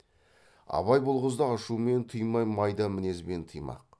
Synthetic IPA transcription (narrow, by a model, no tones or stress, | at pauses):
ɑ̰βɑjbolˠʁəzd̪ɑɑʃume̞nt̪ʰɨjmɑjmɑjd̪ɑmɪne̞zbe̞nt̪ʰɨjmɑ̰q̚